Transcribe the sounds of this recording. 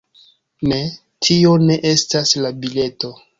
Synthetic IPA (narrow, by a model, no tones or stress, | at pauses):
ne̞ | tʰio̞ne̞ʔe̞staslabile̞to̞